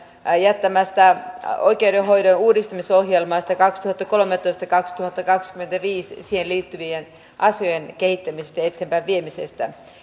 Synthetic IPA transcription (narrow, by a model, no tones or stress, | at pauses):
jæt̪ːæmæst̪æoikeudeɦoidonuːdist̪ɑmisohjelmɑːst̪ækɑkst̪uhɑt̪ːɑkolomet̪ːoist̪ɑkɑkst̪uhɑt̪ːɑkɑkskyment̪æʋiːssihenliːt̪ːyʋien | ʔɑsojenkehit̪ːæmisest̪æet̪ːeːmpæːʋʋiemisest̪æ̰